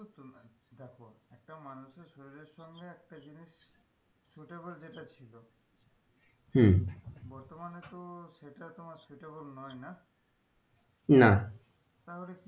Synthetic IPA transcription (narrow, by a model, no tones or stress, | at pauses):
tdɛkʰɔɛk̚ʈamanusɛsoɹiɹesɔŋeɛk̚tazinisː | uʈebɔlzetat͡ɕʰilɔ | h̩bɔɹt̪ɔmanetʊsejtatʊmaksuʈebɔlnɔjna | na | taɦolɛki